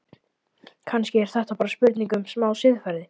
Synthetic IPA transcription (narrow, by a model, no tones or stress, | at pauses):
kʰanscɪɛɾ̥θɛht̪apaːɾaspʏɾt̪niŋkʏmsmaːwsɪðfaɾðɪ